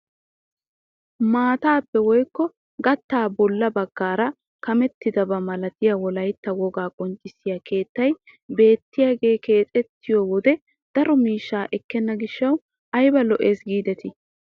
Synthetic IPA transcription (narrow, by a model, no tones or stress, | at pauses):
maːt̪aːpːɛwɔjkːɔ | ɡɐt̪ːaːbɔlːɐbɐɡ̥ːaːɾɐ | kɐmɛt̪ːɪd̪ɐbɐmɐlɐt̪ɪjɐwɔlɐjt̪ːɐwɔɡaːkʼɔnt͡ʃʼːɪsːɪjake̞ːt̪ːɐj | be̞ːt̪ːɪjaːɡe̞ːke̞ːt͡sʼɛt̪ːɪjɔwɔd̪ɛ | d̪̥ɐɾɔmiːʃːaːʔɛkːɛnːɐɡɪʃːɐw | ʔɐjbɐlɔʔe̞ːsɡiːd̪ɛt̪ɪ